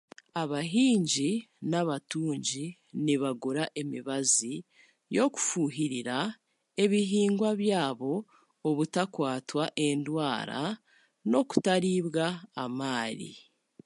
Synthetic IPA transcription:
aβaɦiːɲɟinaβatuːɲɟi | niβaɡuɾaʔe̞miβazi | jo̞ku̥fuːɦiɾiɾa | e̞βiɦiːŋɡwaβjaːβo̞ː | βutakwaːtwaʔe̞ndwaːɾa̰ | no̞ku̥taɾiːβɡaːmaːɾḭ

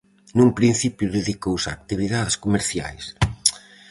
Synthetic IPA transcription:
nũmpɾĩn̟θipjʊðeðikowsa̰ːk̚t̪iβiðaðeskomeɾθja̰js

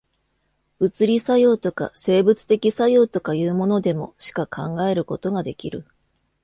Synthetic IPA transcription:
b̥ɯ̟t͡sɨɾʲisajo̞ːt̪o̞ka̰se̞ːbɯ̟t͡sɨ̥t̪e̞kʲisajo̞ːt̪o̞kajɯ̟ːmo̞no̞d̪e̞mo̞̰ɕi̥kakʰãŋɡae̞ɾɯ̟ko̞t̪o̞ɡad̪e̞kʲiɾɯ̟

